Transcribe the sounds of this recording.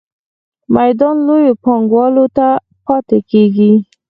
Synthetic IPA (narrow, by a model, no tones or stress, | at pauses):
majd̪ɑnlojopɑŋɡwɑlot̪a | pɑt̪ekeɡi